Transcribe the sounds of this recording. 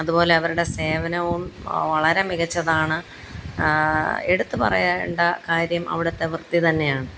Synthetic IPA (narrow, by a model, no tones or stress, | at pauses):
ɐðubo̞ːle̞ɐʋɐɾuɽe̞se̞ːʋɐnɐʋumʋɐɭɐɾe̞miɣɐt͡ɕːɐðaːɳɨ | eɽut̪ːɨpɐ̰rɐ̰jaːɳɖɐkaːɾjɐmʔɐ̰ʋiɽɐt̪ːeʋɨrt̪ːit̪ɐnːe̞jaːɳɨ